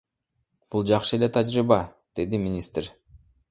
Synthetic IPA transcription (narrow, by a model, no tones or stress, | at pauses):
b̥ulˠd͡ʒɑqʃɯe̞le̞t̪ʰad͡ʒɾibɑ | d̪̥e̞d̪imʲɪnʲist̪r̥ʲ